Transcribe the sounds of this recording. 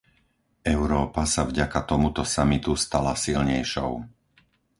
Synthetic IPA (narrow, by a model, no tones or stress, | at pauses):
ɛʊɾɔːpasavɟakat̪ɔmut̪ɔsamit̪ust̪alasilɲɛjʃɔ̰ʊ